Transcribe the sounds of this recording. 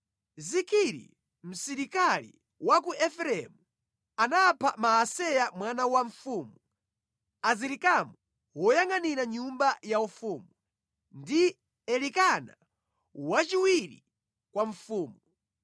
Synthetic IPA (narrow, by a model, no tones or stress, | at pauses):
zikʰiɾḭ | m̩siɾikalḭ | wak̬uʔɛfɾɛmu | anapʰamaasɛjamwanawaɱfuːmu | aziɾikamu | wɔjaŋaniɾaɲumbajaufuːmu | ndi | ɛlikana | wat͡ʃiwiɾḭ | kwaɱ̩fuːmu